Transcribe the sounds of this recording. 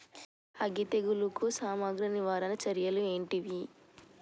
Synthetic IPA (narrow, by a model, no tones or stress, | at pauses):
ɐɡit̪eɡulukusaːmaːɡɾɐniʋaːɾɐnɐt͡ʃɐɾjɐlueːɳʈiʋi